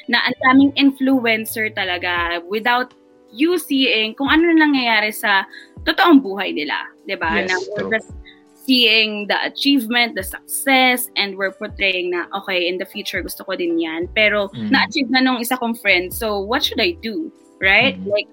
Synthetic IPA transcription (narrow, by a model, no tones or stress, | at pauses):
nɐʔɐnd̪aːmɪŋʔɪnfluɛnsɛɹt̪ɐlɐɡawɪd̪awt̪̚ | jusiːɪŋkʊŋʔɐnonlɐŋŋɐjaːɾɛsɐt̪ʊt̪oʔoŋbuːɦɐjnɪla̰d̪ɪbanɐwɪɹd͡ʒɐst̪̚ | siːɪŋd̪ɐʔɐ̰t͡ʃiːvmɛ̃nt̪̚d̪ɐsɐk̚sɛsʔɛ̃nd̪̚wɪɹpoɹt̪ɹejɪŋnɐʔoːkɛjʔɪnd̪ɐfjuːt͡ʃʊɹɡʊst̪okod̪ɪnjanpɛːɾo̞nɐʔɐt͡ʃiːvnɐnoŋʔɪsakomfɹɛnd̪̚sowwɔt̪̚ʃʊd̪ajd̪u | ɹajt̪̚lajk̚